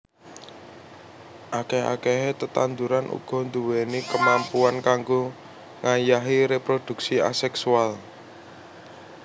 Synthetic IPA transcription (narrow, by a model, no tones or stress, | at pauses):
ʔakeɦa̰keɦet̪ət̪and̪uɾanʔṵɡ̥ɔ̤nd̪uwenikəmampuankaŋɡo | ŋʔajaɦiɾepɾod̪̥ṳksia̰sɛksual